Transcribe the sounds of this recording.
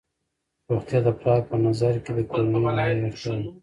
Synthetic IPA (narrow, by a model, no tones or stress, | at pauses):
ɾoxt̪jɑd̪əpɾɑpənazaɾked̪əkolnamalawexəl